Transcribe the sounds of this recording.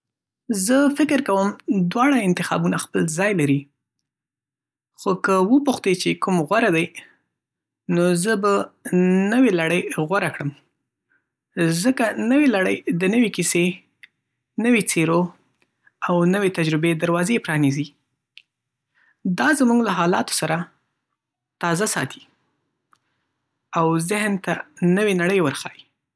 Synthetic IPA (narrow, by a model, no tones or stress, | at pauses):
zəfɪkɪɾkawəmd̪wɑɽaɪnt̪ɪxɑ̰bunaxpəlzɑjlaɾi | xokəwəpuxt̪et͡ʃekumɣwaɾad̪aj | nozəba | nəwelaɽəjɣwaɾakɽəm | zəkanəwelaɽə̰jd̪ənəwekise | nəwet͡seɾo | awnəwet̪ad͡ʒɾʊbed̪aɾwɑzepɾɑnizi | d̪ɑzamuɡlaɦɑlɑ̰t̪o̥saɾa | t̪ɑzasɑ̰t̪ʰi̥ | awzɪhnt̪anəwenaɽəjwəɾxɑji